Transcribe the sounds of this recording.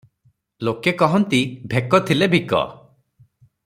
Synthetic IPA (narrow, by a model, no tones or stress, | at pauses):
lokekɔɦɔnt̪ibʱekɔt̪ʰilebʱikɔ̰